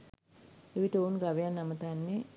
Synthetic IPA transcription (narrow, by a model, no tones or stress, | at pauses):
eʋiʈəoːnɡaʋejanːamət̪anːe